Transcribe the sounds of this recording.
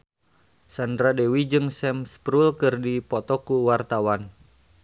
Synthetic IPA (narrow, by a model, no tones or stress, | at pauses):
sandɾadɛwid͡ʒɨŋsɛmspɾulkɨrdipɔt̪ɔkuwart̪awan